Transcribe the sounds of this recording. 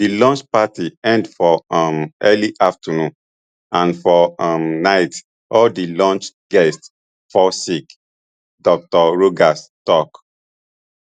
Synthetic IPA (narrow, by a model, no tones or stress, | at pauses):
dilɔ̃nt͡ʃpatiɛ̃ndfɔmʔɛliʔaftənũn | ãnfɔmnaɪt | ʔɔldilɔ̃nt͡ʃ | ɡ̥ɛst | fɔsik | dɔk̚tɔɹoɡastɔk